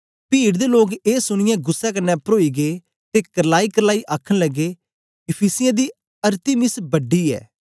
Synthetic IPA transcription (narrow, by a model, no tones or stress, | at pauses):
piːɽd̪eloːɡeːsʊɽ̃ɪjɛ̃ɡʊsːɛkɐnːɛpɾoːiːɡeː | t̪ekɐɾlaːikɐɾlaːiʔaːkʰəɽ̃ləɡːeː | ɪpʰiːsɪjãd̪iː | ɐɾt̪ɪmɪsbɐɖːiːɛ̰ː